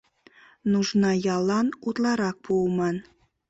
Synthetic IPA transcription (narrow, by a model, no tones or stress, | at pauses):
nuʒnɑjɑlˠɑnut̪lˠɑɾɑq̚b̥ulˠmɑn